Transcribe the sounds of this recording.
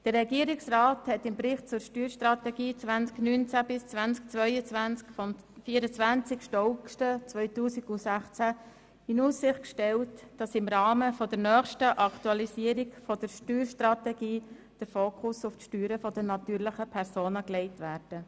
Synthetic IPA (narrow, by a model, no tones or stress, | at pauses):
d̥əɾːɛɡiəɾiksrɑːthɛtɪmbɾɪχt̚t͡sʊɾʃtyːɾʃtrɑt̪ɛɡiːt͡svænsknyːnt͡sæbɪst͡svænsk̚t͡sʋœʏət͡sʋænt͡skfɔm | fiːəɾət͡sʋænt͡sɪkʃtɔʊkʃtət͡sʋœʏtuːsiɡʊsæχt͡sæ | ɪnuːsːɪχt̚kʃtɛltd̥ɑsɪmɾɑːməfɔd̥əɾnœːχʃtəʔɑktuɑlisiəɾikfɔd̥əɾʃtyːɾʃtɾɑtɛɡiː | d̥əɾfoːkʰʊsʊftʃtyːɾəfɔd̥ənɑt̪yːɾləχəpʰɛɾsoːnəklɛɪtʋæːɾd̥ə